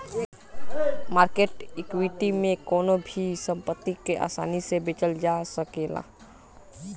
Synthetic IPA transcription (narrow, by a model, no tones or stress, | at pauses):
maːɾkeʈɪkwiʈimẽkɔːnobʱisə̃mpət̪ːikeʔa̰ːsa̰ːnisebɪt͡ʃəld͡ʒasəkeːla̰